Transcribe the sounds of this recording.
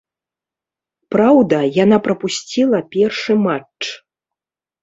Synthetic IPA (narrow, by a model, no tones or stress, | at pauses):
pɾawd̪ɐjan̪apɾɐpusʲt͡sʲilˠɐpʲɛrʂɨmat͡ʂt͡ʂ